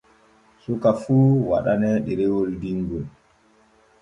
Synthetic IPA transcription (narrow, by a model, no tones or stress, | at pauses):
sukafuːwa̰ɗanɛɗiɾewɔldiŋɡɔl